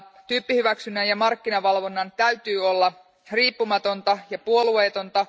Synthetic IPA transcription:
t̪yːpːihyʋæksynːænjɑmɑrkːinɑʋɑlʋo̞nːɑnt̪æyt̪yːo̞lːɑ | riːpːumɑt̪o̞nt̪ɑjɑpuo̞lueːt̪o̞nt̪ɑ

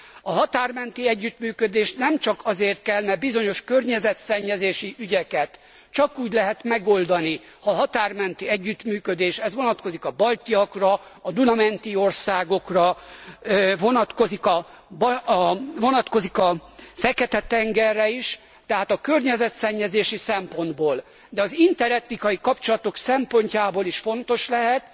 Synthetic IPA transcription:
ɒɦɒt̪aːrmɛnt̪iɛɟːyt̪myːkød̪eːʃnɛmt͡ʃɒkɒzeːrt̪kɛlmɛrbizo̞ɲo̞ʃkø̞rɲɛzɛt̪sɛɲːɛzeːʃiʔyɟɛkɛt̪ | t͡ʃɒkuːɟlɛɦɛt̪mɛɡo̞ld̪ɒni | hɒɦɒt̪aːrmɛnt̪iɛɟːyt̪myːkød̪eːʃɛzʋo̞nɒt̪ko̞zikɒbɒlt̪iɒkrɒɒd̪unɒmɛnt̪io̞rsaːɡo̞krɒ | vo̞nɒt̪ko̞zikɒ | b | vo̞nɒt̪ko̞zikɒfɛkɛt̪ɛt̪ɛŋɡɛrːɛiʃ | t̪ɛɦaːt̪ɒkørɲɛzɛt̪sɛɲːɛzeːʃisɛmpo̞nd̪boːl | d̪ɛɒzint̪ɛɾɛt̪nikɒjikɒpt͡ʃo̞lɒt̪o̞ksɛmpo̞ɲcaːboːliʃfo̞nt̪o̞ʃlɛɦɛt̪

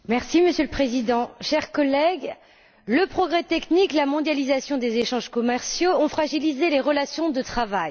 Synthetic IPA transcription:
mɛʁsiməsjøləpχezid̪ɑ̃ʃɛʁkɔlɛɡ | ləpχɔɡʁɛt̪ɛkniklamɔ̃d̪jalizasjɔ̃d̪ezeʃɑ̃ʒkɔmɛʁsjoɔ̃fχaʒilizeleʁəlasjɔ̃d̪ət̪χavaj

